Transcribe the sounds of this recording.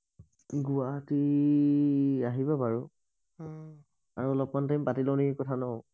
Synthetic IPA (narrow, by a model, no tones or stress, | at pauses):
ɡuati | aɦibapaɹu | aɹuɔlɔp̚mantaĩmpatilɔnikɔtʰanɔ